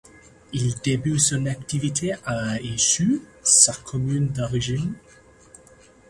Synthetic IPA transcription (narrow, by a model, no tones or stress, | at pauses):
ild̪ebysɔ̃nakt̪ivit̪ʰeʔaisysakʰɔmynd̪ɔʁiʒin